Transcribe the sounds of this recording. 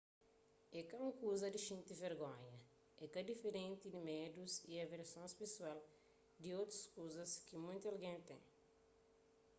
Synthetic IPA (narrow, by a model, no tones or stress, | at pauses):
ɛkɐũŋkuzɐd̪iʃĩnt̪iveɾɡõɲɐ | ɛkɐd̪ifeɾẽnt̪id̪imed̪usiɐveɾsõspesual | d̪iot̪ɾuskuzɐskimũj̃t̪uɐlɡẽnt̪ḛ̃ŋ